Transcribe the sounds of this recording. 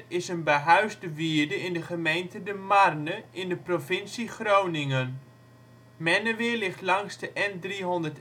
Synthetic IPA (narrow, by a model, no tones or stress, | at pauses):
ɪsənbəɦœɥzdəʋiəɹdəɪndəχəmejntədəmarnəʔɪndəprofɪnsiχrownɪŋən | mɛnəʋɪːɹlɪχtlɑŋsdəʔɛndriɦɔndərt